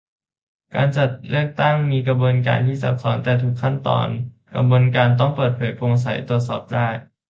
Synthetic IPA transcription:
ka̰ː˧nt͡ɕa˨˩t̪̚lɯ˥˩ək̚t̪a˥˩ŋmiː˧ka˧boː˧nka̰ː˧nt̪ʰiː˥˩sa˨˦˥p̚sɔː˩˦nt̪ɛː˨˩t̪ʰuː˨˩kʰːa˥˩nt̪ɔ̰ː˧n | ka̰˧mboː˧nkaː˧nt̪̬ɔ˥˩ŋpɤː˨˩t̪̚pʰɤː˩˦jpo˧ŋs̬a˩˦jt̪u˨˩ət̪̚sɔ̰ː˨˩p̚daː˥˩j

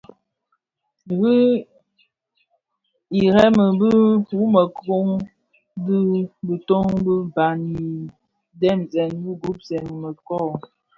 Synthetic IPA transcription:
ɣi˦ | i˨ɾɛ˦mə˨bə˦pu˨˦mə˨ko˦ŋ | bə˦bə˨to˦ŋbə˦ba˨ni˨ | dɛ˦˨mzɛ˨nbi˦ɡu˦p̚zɛ˨nmə˨kɔ˦˨

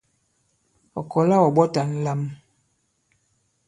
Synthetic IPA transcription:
ɔ˨kɔ˨la˦wɔ˨ɓɔ˦ta˨n̩˦la˦m

